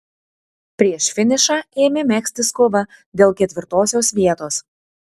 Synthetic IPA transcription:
pʲɾʲiɛʃfʲɪnʲɪʃɑːeːmʲɪmʲæːksʲt̪ʲɪskɔʋɐ | d̪ʲeːlˠkʲɛt̪ʲʋʲɪɾt̪oːsʲoːsʋʲiɛt̪oːs

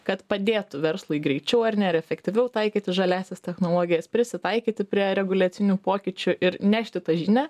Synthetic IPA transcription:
kɐt̪pɐd̪ʲeːt̪ʊʋʲɛɾslˠʊɪɡɾʲɛɪt͡ʃʲɛʊɐrnʲɛɪɾɛfʲɛkt̪ʲɪʋʲɛʊt̪ɐɪkʲiːt̪ʲɪʒɐlʲæːsʲɛst̪ʲɛxnoːlˠoːɡʲɪjɛspʲɾʲɪsʲɪt̪ɐɪkʲiːt̪ʲɪpʲɾʲiɛɾʲɛɡʊlʲæːsʲɪnʲuːpoːkʲɪt͡ʃʲʊʔɪɾnʲæːʃʲt̪ʲɪt̪ɐʒʲɪnʲɛ

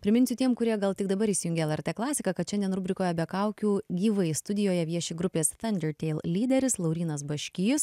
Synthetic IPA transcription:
pʲɾʲɪmʲɪnʲsʲʊt̪ʲiɛmkʊɾʲiɛɡɐlˠt̪ʲɪɡ̚d̪ɐbɐɾiːsʲɪjʊŋʲɡʲeɛlˠɛɾʲt̪ɛːklˠɑːsʲɪkɐkɐt̪ʃʲɛnd̪ʲiɛnɾʊbʲɾʲɪkoːjɛbʲɛkɐʊkʲuːɡʲiːʋɐɪst̪ʊd̪ʲɪjoːjɛʋʲiɛʃʲeːɡɾʊpʲeːsθɐnʲd̪ʲɛɾt̪ʲɛɪlˠlʲiːd̪ʲɛɾʲɪslˠɐʊɾʲiːnɐsbɐʃʲkʲɪjʊs

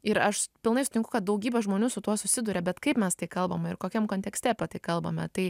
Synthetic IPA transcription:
ɪɾɐʃpʲɪlˠnɐɪsʊt̪ʲɪ̃ŋkʊkɐt̪̚d̪ɐʊɡʲiːbʲɛʒmoːnʲuːsʊt̪uɔsʊsʲɪd̪ʊɾʲɛbʲɛt̪kɐɪpmʲɛst̪ɐɪkɐlˠbɐmɐɪɾkoːkʲɛmkoːnʲt̪ʲɛksʲt̪ʲɛpʲɐt̪ɐɪkɐlˠbɐ̰mʲɛt̪ɐɪ

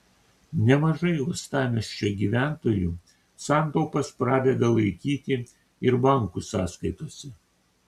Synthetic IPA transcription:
nʲɛmɐʒɐɪost̪ɑːmʲɛʃʲt͡ʃʲoɡʲiːʋʲæˑnt̪oːjuː | sɑˑnt̪oːpɐspɾɑːd̪ʲɛd̪ɐlˠɐɪkʲiːt̪ʲɪ | ɪɾbɑˑŋkusɑːskɐɪt̪oːsʲɛ

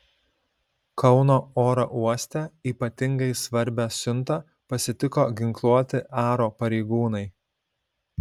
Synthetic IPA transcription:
kʰɒʊnoːoːɾɐʔuɔsʲt̪ʲɛiːpɐt̪ʲɪŋɡɐɪsʋɐɾʲˑbʲæːsʲʊnˑt̪ɐ | pɐsʲɪt̪ʲɪkoːɡʲɪŋklˠuɔt̪ʲɪɑːɾoːpɐɾʲɛɪɡuːnɐɪ

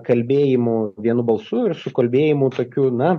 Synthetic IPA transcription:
kɐlʲbʲeːjɪmuʋʲiɛnubɐlˠsuɪɾsʊkɐlʲbʲeːjɪmʊt̪oːkʲuːnɐ

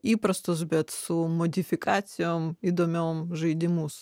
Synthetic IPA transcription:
ipɾɐst̪ɔzbʲɛt̪sumɔd̪ʲɪfʲɪkat̪sʲɪjomid̪ɔmʲomʒɨd̪ʲɪmus

